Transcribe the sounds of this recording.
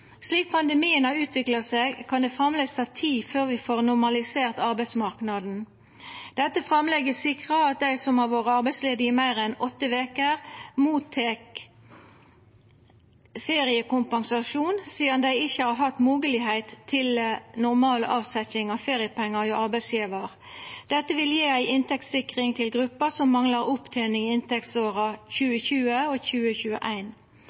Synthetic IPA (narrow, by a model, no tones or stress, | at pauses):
sliːk̚pʰɑnd̪əmiːənhɑʉːt̪ʰʋɪkləseːɡkʰɑnd̪ɛːfʁɑmlɛst̪ʰɑt̪ʰiːføːʁʋɪfoːʁnʊʁmɑlɪseːʁt̪ɑʁbæɪsmɑʁknɑd̪n̩ | d̪̥ɛt̪ːəfʁɑmlɛɡəsɪkʁəɑt̪̚d̪æɪsɔmhɑʋoːʁəɑɾbæɪtsleːd̪əɪmæɪʁɛnɔt̪ːəʋeːkəʁmuːt̪ʰːeːk | feːʁɪəkʊmpɑŋsɑʃuːnsiːd̪ɑnd̪æɪɪçːəhɑːʁhɑt̪ːmuːɡəlɪhæɪt̪ʰːɪlnʊʁmɑːlʔɑːʋsɛçɪŋɑfeːʁɪəpʰɛŋːəʁiʔɑʁbæɪsjiːʋəʁ | d̪̥ɛt̪ːəʋɪljeːæɪʔɪnt̪ɛk̚t̪sɪkʁɪŋt̪ʰɪlɡʁʉpːəsɔmːɑŋləʁʊpt̪ʰæɪnɪŋɪnt̪ɛk̚t̪soːʁɑçʉːəçʉːəoːçʉːəçʉːə̰ʔæɪn